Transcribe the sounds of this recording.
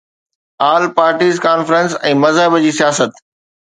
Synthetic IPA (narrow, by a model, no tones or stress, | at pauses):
aːlpaːɾʈiːzkaːnfɾə̃nsɛ̃ːmɐzɦəbd͡ʑiːsijaːsət̪